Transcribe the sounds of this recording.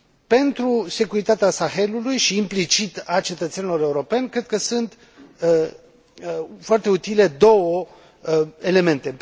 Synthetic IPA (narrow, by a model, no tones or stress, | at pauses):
pe̞nt̪ɾuse̞kuɾit̪at̪easaxe̞lulujʃiːmplit͡ʃit̪at͡ʃe̞t̪ət̪senilo̞ɾe̞uɾo̞pe̞nʲkɾe̞d̪̚kəsunt̪ | foart̪e̞ut̪ile̞d̪o̞wə | e̞le̞me̞nt̪e̞